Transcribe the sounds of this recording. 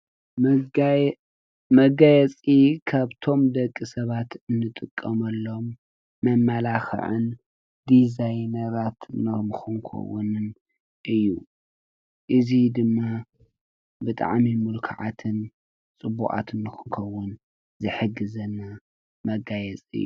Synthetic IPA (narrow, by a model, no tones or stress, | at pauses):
mɐɡajɛt͡sʼikʰaβt̪ʰo̞md̪ɐkʼːɨsɐβat̪ɨnːɨt̪ʼɨkʼːɐmɐlːo̞mː | ɐmːalaxɨ̰ʕɨ̰n | d̪izajnɐɾat̪ʰɨnɨmɨxɨŋkʰɐ̰wʊnɨn | ʔɨjːu | ʔɨzid̪ɨmːa | bɨt̪ʼa̰ʕmimulkʰa̰ʕa̰t̪ʰɨn | t͡sʼɨbuʔʼa̰t̪ɨnːɨxɨŋkʰɐwːʊn | zɨħɨɡɨzɐnːa | mɐɡajɛt͡sʼɨ̰jːṵ